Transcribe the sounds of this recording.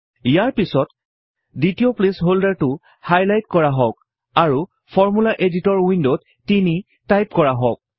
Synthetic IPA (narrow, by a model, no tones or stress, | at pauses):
ijaɹpisɔt | ditioplesɦoldaɹtʊ | hajlajtkɔɹaɦɔk | aɹu | pʰɔɹmulaʔeditɔɹwindotːini | tajp̚kɔɹaɦɔk̚